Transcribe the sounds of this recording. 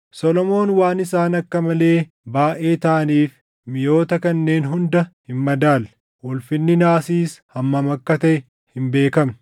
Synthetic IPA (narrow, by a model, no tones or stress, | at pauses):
sɔlɔmo̞ːnwaːnɪsaːnɐkːɐmɐle̞ː | baːʔe̞ːt̪aːniːf | mɪjo̞ːt̪ɐkɐnːe̞ːnɦʊnd̪ɐhɪmːɐd̪aːl | ʔɔlfɪnːɪnaːsiːshɐmːɐmɐkːɐt̪ɐʔɛ | hɪmbe̞ːkɐm